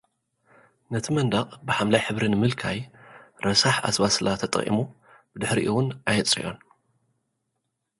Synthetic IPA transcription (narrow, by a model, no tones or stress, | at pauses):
nɐt̪ʰimɐnd̪aχʼbɨħamlajħɨβɾinɨmɨlkʰajɾɐsaħa̰sβasɨlat̪ʰɐt̪ʼɐ̰χʼʔḭmu | b̥ɨd̪ɨħɾiʔɨwʊnʔajɨt͡sʼḭjo̞̰n